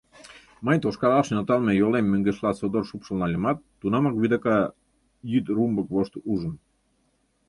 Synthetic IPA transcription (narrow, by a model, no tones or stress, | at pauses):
mənʲt̪oʃkɑɾɑʃenot̪ɑlˠmejolemːøŋɡĕʃlɑsod̪orʃupʃolnɑlʲemɑt̪ːunɑmɑkβid̪okɑ | jyt̪rumbəkβoʃt̪uʒə̆n